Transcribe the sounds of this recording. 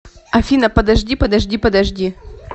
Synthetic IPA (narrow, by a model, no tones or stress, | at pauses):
ɐfʲinɐpɐd̪ɐʐdʲipɐd̪ɐʐdʲipɐd̪ɐʐdʲi